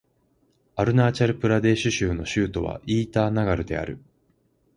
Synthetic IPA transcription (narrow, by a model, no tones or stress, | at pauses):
aɾɯ̟naːt͡ɕaɾɯ̟pɯ̟ɾad̪e̞ːɕɨɕɨːno̞ɕɨːt̪o̞βa̰ʔiːt̪aːnaɡaɾɯ̟d̪e̞̰a̰ɾɯ̟̰